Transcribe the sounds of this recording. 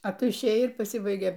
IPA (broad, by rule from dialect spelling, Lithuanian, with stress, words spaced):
ɐ ˈtʊ ɪʃʲˈeːjɛɪ ɪr pɐˈsʲɪbɐɪɡʲeː